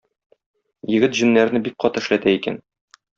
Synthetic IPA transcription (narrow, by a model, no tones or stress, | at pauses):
jɘ̆ɡɘt̪ʑɵ̆nːæɾnɘbik̚qɒt̪ɤ̆ɘ̆ʃlæt̪æikæ̰n